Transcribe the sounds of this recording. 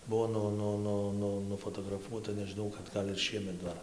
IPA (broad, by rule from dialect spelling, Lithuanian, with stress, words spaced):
ˈbʊʋoː ˈnʊ ˈnʊ ˈnʊ ˈnʊ nʊfoːtoːɡrɐˈfuɔtɐ nʲɛʒʲɪˈnɐʊ kɐt ˈɡɐlʲ ɪr ˈʃʲiɛmʲɛt ˈdɐr